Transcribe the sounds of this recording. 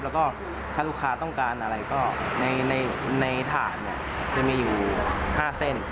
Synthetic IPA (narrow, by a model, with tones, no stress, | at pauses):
plɛː˦˥wkɔː˥˩ | t̪ʰaː˥˩lu˥˩kʰaː˧t̪ɔ˥˩ŋkaː˧nʔa˧ɾa˧jkɔː˥˩na˧jna˧jna˧jt̪ʰaː˨˩˦nːi˧˩ɐ | t͡ɕa˨˩miː˧juː˨˩ɛ˨˩haː˥˩se˥˩n